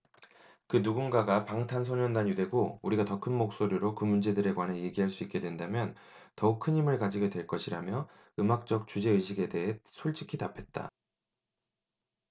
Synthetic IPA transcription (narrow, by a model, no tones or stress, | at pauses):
kɯnuɡunɡaɡapaŋtʰans̬ʰoɲʌndaɲide̞ɡouɾiɡatʌkʰɯnmok̚s͈oɾiɾokɯmund͡ʑe̞dɯɾe̞kwanɦe̞jeɡiɦaɭs͈uik͈e̞dwendamjʌn | tʌuk̚kʰɯɲimɯɭkad͡ʑiɡe̞dwe̞ɭk͈ʌɕʰiɾamjʌ | ɯmak̚t͡ɕ͈ʌk̚t͡ɕ͈ud͡ʑe̞ɯɕʰiɡe̞de̞ɦesʰoɭt͡ɕ͈ʰikʰitapʰe̞t̚t͈a̰